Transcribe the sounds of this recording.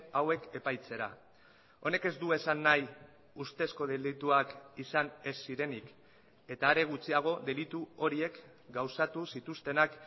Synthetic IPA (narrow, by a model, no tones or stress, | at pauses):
awe̞ke̞pajt͡se̞ɾa̰ | o̞ne̞ke̞zd̪ue̞sanːaj | ust̪e̞sko̞ðelit̪uakisane̞sːiɾe̞nik | e̞t̪aːɾe̞ɣ̞ut͡siaɣ̞o̞ðe̞lit̪uo̞ɾie̞k | ɡawsat̪usit̪ust̪e̞nak